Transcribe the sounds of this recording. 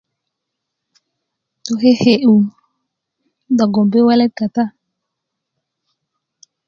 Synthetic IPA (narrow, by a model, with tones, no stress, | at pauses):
to˨ɦe˦he˨ʔu˨ | da˨ɡɔ˨mbe˦wɛ˦lɛ˦t̚ka˨ta˦˨